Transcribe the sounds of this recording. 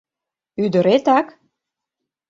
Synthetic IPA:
yd̪ə̆ɾet̪ɑk

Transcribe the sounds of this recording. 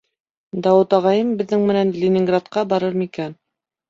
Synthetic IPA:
d̪ɑwɤt̪ɑʁɑjɤmbɘ̆ðːɘŋmɘ̆nænlʲɪnʲɪŋɡrat̪qɑbɑɾɤɾmikæn

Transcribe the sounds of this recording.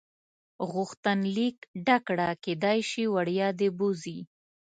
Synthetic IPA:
ɣʊxt̪anlikɖakɽaked̪ɑjʃiwaɽjɑd̪ebuzi

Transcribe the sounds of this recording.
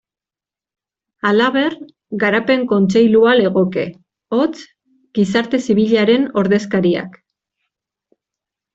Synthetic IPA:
alaβ̞e̞r | ɡaɾape̞ŋko̞nt͡ʃe̞jluale̞ɣ̞o̞ke̞̰ | o̞t͡s | ɡ̥isaɾt̪e̞siβiʎaɾe̞no̞ɾðe̞skaɾia̰k

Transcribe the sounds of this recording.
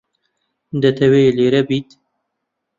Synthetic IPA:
d̪ɐt̪ʰɐweleːɾɛbiːt̪

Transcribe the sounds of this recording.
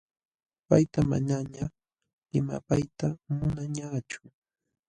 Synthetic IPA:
pajt̪ama̰ɲaɲa | ɪma̰pajt̪amʊnaɲaːt͡ʃʊ̥

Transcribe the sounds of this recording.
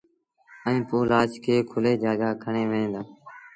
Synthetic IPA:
ə̃ĩːpoːlaːt͡ʃkʰeːkʰʊleːd͡ʒaːɡaːkʰəɳeːʋẽːnd̪aː

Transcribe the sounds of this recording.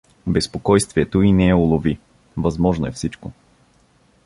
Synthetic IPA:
bɛspokɔjst̪viɛt̪oinɛɛʊlˠovi | vɐzmɔʒnoɛfsit͡ʃko

